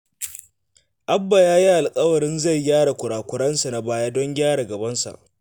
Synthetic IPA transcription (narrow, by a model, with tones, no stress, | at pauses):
ʔa˦bːa˨jaː˦ji˦ʔa˨lkʼɐ˦wɐ˨ɽɪ˦nza˦˨jjaː˦ɽa˨kʷʊ˨ɽaː˨kʷʊ˨ɽɐ˦nsa˨na˨baː˦jaː˦dɔ˦ŋɡʲaː˦ɽa˨ɡɐ˨bɐ˦nsa̰˨ʔ